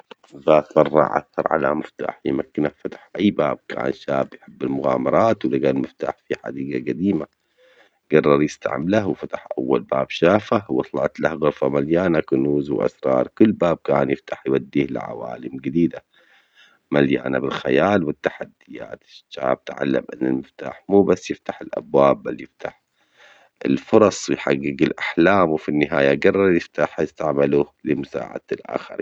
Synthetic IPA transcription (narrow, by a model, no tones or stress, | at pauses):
baːt̪mɑrˤːɑ̰ʕʔa̰θɑɾˤʕa̰la̰mɪft̪a̰ːħjɪmakːɪnafat̪ḁħʔajːbaːb̚kʰa̰ːnʃaːbjħɪbːɪlmʊɣa̰ːmɑɾˤɑːt̪wlɪɡaːlmɪft̪a̰ːħfiħa̰d̪iːɡaɡad̪iːma | ɡɑrˤːɑɾˤjɪst̪a̰ʕmlahwfat̪ḁħʔawːalbaːbʃaːfahwɑt̪ˤlɑʕt̪lahɣʊɾfamaljaːnakʊnuːzwʔa̰sɾˤɑ̰ːɾˤkʊlːbaːb̚kaːnjɪft̪aħjwad̪ːiːhlɪ̰ʕa̰wa̰ːlɪmɡɪd̪iːd̪a | malja̰ːnabɪlxajaːlwɪt̪ːaħad̪ːɪja̰ːt̪ɪʃa̰ːb̚t̪ʕa̰lːa̰mʔɪnːɪlmɪft̪a̰ːħmuːbasːjɪft̪aħɪlʔa̰bwaːbːaljɪft̪aħ | ɪ̰lfʊɾˤɑsˤwjħaɣːɪɡɪlʔaħlaːmwfinːɪɦaːjaɡɑrˤːɑɾˤjɪft̪aħjɪst̪aʕmalulɪmʊsa̰ːʕa̰d̪lʔa̰ːxɪɾ